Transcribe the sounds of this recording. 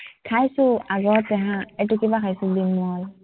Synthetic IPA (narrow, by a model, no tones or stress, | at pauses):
kʰajsuaɡɔtɛɦãɛtukibakʰajsʊbinːɔl